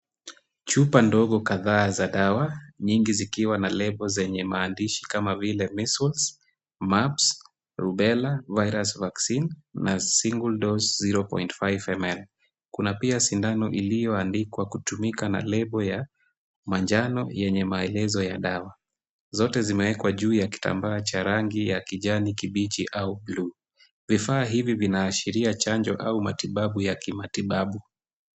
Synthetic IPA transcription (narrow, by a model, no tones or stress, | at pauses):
t͡ʃupandɔɠɔkaðaːzaɗawaɲiŋɡizikiwanalɛɓɔzɛɲɛmaːndiʃi̥kamavilɛmisulz | maps | ɾuɓɛlavajɾasvaksinːasiŋɡuldɔzziɾɔpɔ̰intfajvɛmɛl | kunapiasindanɔʔilijɔandikwakutumikana̰lɛɓɔja | mand͡ʒanɔjɛɲɛmaɛlɛzɔjaɗawa | zɔtɛzimɛwɛkwaʄuːjaki̥ta̰mbaːt͡ʃaɾaŋɡijakiʄanikiɓit͡ʃiʔaublu | vifaːɦivivinaːʃiɾiat͡ʃaɲd͡ʒɔʔaumatiɓaɓujakimatiɓaɓu